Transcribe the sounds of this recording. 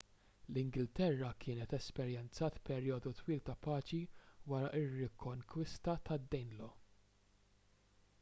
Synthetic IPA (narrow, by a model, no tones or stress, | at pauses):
lɪŋɡɪlt̪ɛrːɐkʰɪːnɛt̪ɛspɛɾjɛnt͡sɐːt̪pɛɾjɔːd̪ut̪wiːlt̪ɐpɐːt͡ʃiwɐɾɐʔɪrːɪkʰːɔŋkwɪst̪ɐt̪ɐd̪ːɛjnlɔ